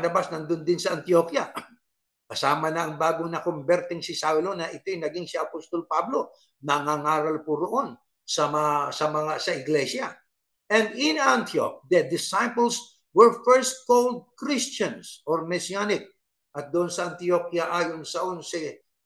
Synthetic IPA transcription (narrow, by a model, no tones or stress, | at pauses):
nɐbasnɐnd̪ʊnd̪ɪnsɐʔɐnt̪iokjɐ | kɐsaːmɐnɐɐŋbaːɡonɐkombɛɾt̪ɪŋsɪsawlo̞nɐʔɪt̪ojnɐɡɪŋsiɐpost̪olpablo̞ | nɐŋaŋaːɾɐlpʊɾoʔo̞n | sɐmsɐmɐŋasɐʔɪɡlɛsjɐ | ʔɛnd̪ɪnant̪io̰k̚d̪ɐd̪ɪsajpəls | wɛɹfɛɹst̪̚kold̪̚kɹɪst͡ʃɐ̃nsʔoɹmɛsianɪk̚ | ʔɐt̪̚d̪ʊʔonsɐʔɐnt̪ijo̞kjɐʔaːjonsɐʔonsɪ